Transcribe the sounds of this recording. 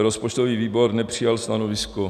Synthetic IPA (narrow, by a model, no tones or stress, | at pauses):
ɾospot͡ʃt̪oviːviːbo̞ɾnɛpr̝̥ɪjalst̪anovɪsko